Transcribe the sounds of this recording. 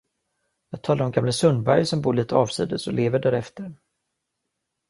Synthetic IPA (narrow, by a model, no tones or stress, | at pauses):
jɑːɡ̚t̪ʰɑːlaɾɔmɡamləsɵnd̪bæɾjsɔmbuːɭiːt̪ʰəɑːvsḭːd̪əsɔleːvəɖæːɾɛft̪əɾ